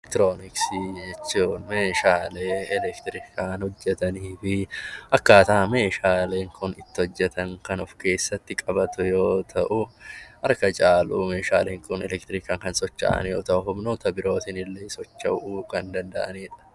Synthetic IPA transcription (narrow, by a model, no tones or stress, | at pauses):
kt̪ɪɾoːnɪksid͡ʒɛt͡ʃːuːnmeːʃaːleːɛlɛkt̪ɪɾɪkʰaːnhɔd͡ʒːɛt̪ɐniːfɪɐkːaːt̪ɐɐme̞ːʃaːle̞ːŋkʰʊnɪt̪ːɪhɔd͡ʒːɛt̪ʰɐŋkɐnʊfke̞ːsːɐt̪ːɪkʼɐbɐt̪ʊjo̞ːt̪ʰɐʔʊhɐɾkɐt͡ʃʼaːluːmeːʃa̰ːleːŋkʊnɛ̰lɛkt̪ɪɾɪkaːŋkɐnsɔt͡ʃːa̰ːʔɐ̰njo̞̰ːt̪ɐʔʊɦʊbnuːt̪ɐbɪɾo̞ːt̪ɪnɪlːeːsɔt͡ʃːɐuːkɐnd̪ɐnd̪ɐʔɐ̰niːᶑɐ̥